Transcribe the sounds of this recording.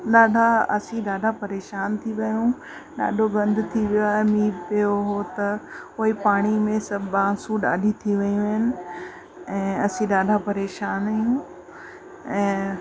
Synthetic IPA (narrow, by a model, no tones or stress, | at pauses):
ɗaːɖʱaɐ̰sĩɗaːɖʱapɐɾeːʃaːnt̪ʰiʋɐjũ | ɗa̰ːɗʱoɡɐ̃nd̪ʱʊt̪ʰiʋijoaːɦemiːɾpijoɦot̪ɐʊɦipaːɽ̃imẽsɐbãːsũɗa̰ːɗʱit̪ʰiʋɐjũʋɦɪnɪ̆ | ɛ̃ːɐsĩɗaːɖʱapɐɾeːʃaːnɐjũ | ɛ̃ː